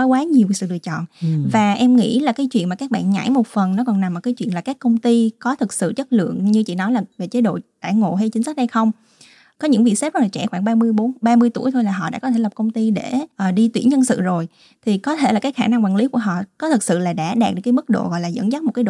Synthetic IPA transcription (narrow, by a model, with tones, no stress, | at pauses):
ɔ˨˦jkwaː˨˦ɲi˨˩əwsɨ̰˧˨ɗɨ˨˩ət͡ɕɔ̰˧˨nvaː˨˩ʔɛ˧mŋḭ˧˥laː˨˩kaː˨˦jt͡ɕwḭ˧ənmaː˨˩kaː˦˥k̚ɓa̰ː˧˨nɲa̰˧˥˩jmo˨˩t̚fə˨˩nnɔ˨˦kɔ˨˩na˨˩mːo˨˩kaː˨˦jt͡ɕwḭ˧˨ənlaː˨˩kaː˦˥kːə˧wŋ͡mt̪i˧kɔ˨˦t̪ʰɨ˨˩k̚sɨ̰˧˨t͡ɕə˦˥t̚lɨ̰˧˨əŋɲɨ˧t͡ɕḭ˧˨nɔ˨˦jlaː˨˩ve˨˩t͡ɕe˨˦ɗo̰˧˨ɗaː˧˩ŋo̰˧˨ɦə˧jt͡ɕï̟˨˦sə˦˥ɗə˧jxə˧wŋ͡m | kɔ˨˦ɲɨ̰˧˥ŋvi˨˩ksɛ˦˥pzə˦˥laː˨˩t͡ɕɛ̰˧˩xwaː˧˩ŋɓaː˧mɨ˧əjɓo˨˦nɓaː˧mɨ˧əjt̪ṵ˧˩əjt̪ʰo˧jlaː˨˩ɦɔ̰˧˨ɗa̰ː˧˥kɔ˦t̪ʰe˧˩la˨˩p̚kə˧wŋ͡mt̪i˧ɗe˧˩ʔəː˨˩ɗi˧t̪wḭ˧˩ənɲə˧nsɨ̰˧˨zo˨˩j | t̪ʰi˨˩kɔ˨˦t̪ʰe˧˩laː˨˩kaː˨˦jxaː˧˩na˧ŋkwaː˨˩ŋli˨˦ku˧˩əɦɔ̰˧˨kɔ˨˦t̪ʰɨ˨˩k̚sɨ̰˧˨laː˨˩ɗa̰ː˧˥ɗaː˨˩k̚ɗɨ˨˩kaː˨˦mɨ˦˥k̚ɗo̰˧˨ɣɔ̰˧˨jlaː˨˩zə̰˧˥nzə˦˥mo˨˩t̚kːaː˨˦ɗo̰˨